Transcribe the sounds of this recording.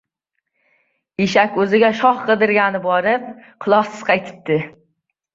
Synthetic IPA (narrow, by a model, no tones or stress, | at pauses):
eʃakʲɵzɪɡʲaʃɒχqɨd̪ɪɾɡʲanɪbɒɾɪp̚qʰɨlˠɒχsɪz̥qʰɑjt̪ʰɪ̥p̚t̪ɪ